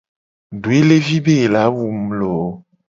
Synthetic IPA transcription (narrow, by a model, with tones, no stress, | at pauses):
ɖo˨e˦le˦vi˦be˦˨la˨˦wu˨m̩˨lo˨˦